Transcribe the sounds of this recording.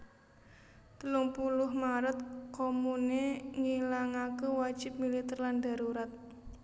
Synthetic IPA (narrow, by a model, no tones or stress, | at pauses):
t̪əlʊŋpulʊhmaɾət̪̚komuneŋilaŋakewad̥ʒ̥ɪ̤p̚milit̪ərlanda̤ɾuɾat̪̚